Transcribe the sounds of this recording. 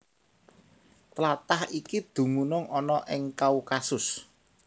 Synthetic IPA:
t̪lat̪ahikid̪̥ṳmunʊŋɔnɔʔɪŋkaukasʊs

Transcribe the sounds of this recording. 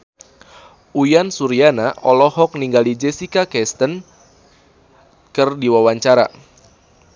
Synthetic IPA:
ujansuɾianaʔɔlɔɦɔk̚niŋɡalid͡ʒesikakɛst̪ən | kərdiwawaɲt͡ʃaɾa

